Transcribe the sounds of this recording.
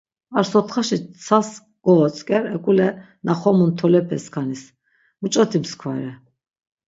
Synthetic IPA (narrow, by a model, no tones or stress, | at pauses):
aɾsɔt̪ʰχaʃisʰas | ɡ̥ɔɔt͡sʼkʼɛɾɛkʼulɛ | naχɔmunt̪ʰɔlɛpʰɛskʰanis | mut͡ʃʼɔt̪ʰimskʰwa̰ɾɛ